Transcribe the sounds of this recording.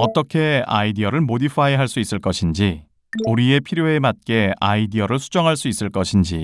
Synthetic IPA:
ʌt͈ʌkʰe̞a̰idiʌɾɯɭmodipʰaeɦaɭs͈uis͈ɯɭk͈ʌɕʰind͡ʑi | uɾie̞pʰiɾjoe̞mat̚k͈e̞aidiʌɾɯɭsʰud͡ʑʌŋɦaɭs͈uis͈ɯɭk͈ʌɕʰind͡ʑi

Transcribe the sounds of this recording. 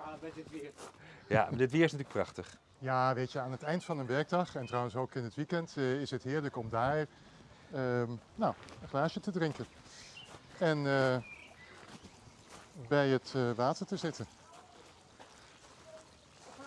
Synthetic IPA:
ja̰dɪtʋɪːɹɪsnatyːləkprɑ̰χtəχ | jaːʋejtjəaːnətɛjntfɑnənʋɛɹɡ̚dɑχɛntrɔwənsowkɪnətʋikɛntɪsɦətɦɪːɹləkɔmdaːɹ | ənawəχlaːʃətədrɪŋkən | ɛnə | bɛjətʋaːtəɹtəzɪtən

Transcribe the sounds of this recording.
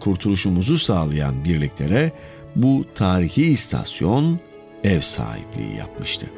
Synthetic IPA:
kʰuɾt̪ʰulˠuʃumuzusaːlˠaja̰nbiɾlʲiclʲe̞ɾɛ | but̪ʰaːɾiçist̪ʰa̰sjo̞n | ɛvsa̰ːhḭplʲḭːḭja̰pmɯʃt̪ʰɯ̰

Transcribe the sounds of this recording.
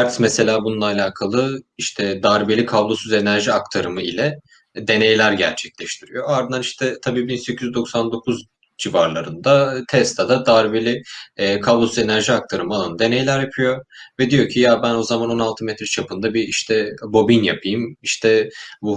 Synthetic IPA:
ɾt̪mɛse̞lʲaːbununˠaːlʲaːkʰalˠɯiʃt̪ʰɛd̪aɾbelʲikʰablˠosyze̞næɾʒiak̚t̪ʰaɾɯmɯilʲɛ | d̪e̞ne̞jlʲæɾɟæ̰ɾt͡ʃʰɛclʲɛʃt̪ʰiɾijo̞aɾd̪ɯnaniʃt̪ʰɛt̪ʰabiːbinsecʰyzyzd̪o̞ksand̪o̞kʰuz | d͡ʒivaɾlˠaɾɯnd̪at̪ʰɛst̪ʰad̪ad̪aɾbelʲiːkʰablˠosyze̞næɾʒiak̚t̪ʰaɾɯmɯalˠanɯd̪e̞ne̞jlʲæɾjapʰɯjo̞vɛd̪ijo̞cʰijabæno̞zamano̞nalˠt̪ʰɯmɛt̪ʰɾɛt͡ʃʰapɯnd̪abiiʃt̪ʰɛbo̞binjapʰɯjɯmiʃt̪ʰɛbu

